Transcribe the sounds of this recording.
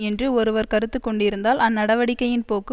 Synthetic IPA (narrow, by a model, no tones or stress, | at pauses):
ɛndrɯɔɾɯʋɐɾkɐɾɯt̪ːɯkːɔɳɖɪɾɯnd̪aːlɐnːɐɽɐʋɐɽɪkːɐjɪnpoːkːɯ